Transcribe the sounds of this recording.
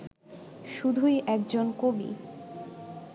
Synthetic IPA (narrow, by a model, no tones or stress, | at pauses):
ʃud̪ʱuiʔɛk̚d͡ʑonkobḭ